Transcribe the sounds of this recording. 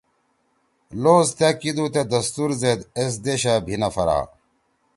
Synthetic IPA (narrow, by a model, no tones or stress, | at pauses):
loːzt̪jakid̪ut̪ed̪ɐst̪uɾzed̪es̬d̪eɕabʱinɐfɐɾa̰ː